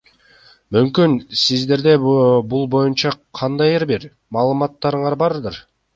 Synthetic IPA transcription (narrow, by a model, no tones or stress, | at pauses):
mymkynsizd̪e̞ɾd̪e̞bulˠbo̞junt͡ʃɑqʰɑnd̪ɑjeɾbiɾ | mɑːlˠɯmɑt̪ːɑɾɯɴɑɾbɑɾd̪ɯɾ